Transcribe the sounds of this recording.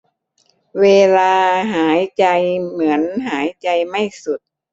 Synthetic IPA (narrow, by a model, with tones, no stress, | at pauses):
weː˧laː˧ɦaː˩˦jt͡ɕa˧jmɯ˩˦ənɦaː˩˦jt͡ɕa˧jma˥˩jsu˨˩t̪̚